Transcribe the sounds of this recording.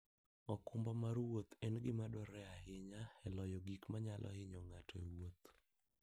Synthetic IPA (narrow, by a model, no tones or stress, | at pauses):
ɔkʊmbɔmarwot̪ɛnɡɪmadɔɾɛaɦɪɲaɛlɔjɔɡikmaɲalʔɔ̰hɪɲɔŋatʰɔewot̪